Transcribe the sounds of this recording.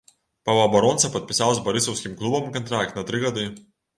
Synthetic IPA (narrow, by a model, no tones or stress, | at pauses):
pavabaɾɔnsapat̪̚ʲpʲisaːlˠsbɐɾisɔwskʲimklˠubamkʲant̪ɾaːkʲnat̪ɾʲiɡad̪ɨ